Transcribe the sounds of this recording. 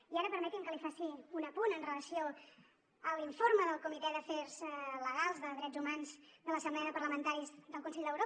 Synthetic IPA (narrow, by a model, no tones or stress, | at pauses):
iaɾəpəɾmɛt̪imkəlifasiunəpunənrələsio | əliɱfoɾməðəlˠkumit̪ɛðəfɛrzləɣalˠzðəðɾɛd͡zumanzd̪ələsəmblɛəðəpəɾləmənt̪aɾizðəlˠkunsɛʎd̪əwɾo